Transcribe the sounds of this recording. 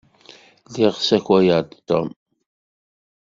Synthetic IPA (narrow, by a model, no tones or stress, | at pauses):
ðiʁsæçæjəɾd̪t̪ːom